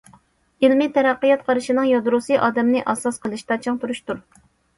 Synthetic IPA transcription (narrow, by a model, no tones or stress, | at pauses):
ilmɪt̪ʰɛɾæqːɨjɑt̪̚qʰɑɾɨʃinɨŋjɑd̪ɾusɨʔɑːd̪ɛmnɪʔɑsɑsqʰəlˠɨʃt̪ɑt͡ʃʰɑŋt̪uɾuʃt̪uɾ